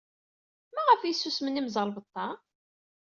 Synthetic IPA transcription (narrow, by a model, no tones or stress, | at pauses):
mæʁəfjisːusmənːimzˤəɾˤvət̪ˤːɑ